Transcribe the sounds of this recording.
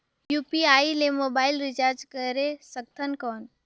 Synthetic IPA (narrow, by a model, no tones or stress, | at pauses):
juːpiaːilemoːbaːɪlɾɪt͡ʃaːɾd͡ʒkəɾesək̚t̪ʰənkɔːn